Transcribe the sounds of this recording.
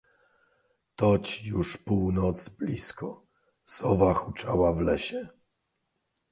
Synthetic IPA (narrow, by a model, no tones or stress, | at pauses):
t̪ɔt͡ɕjuʂpuwnɔt̪sblʲiskʰɔ | sɔvaxut͡ʂawavlɛɕɛ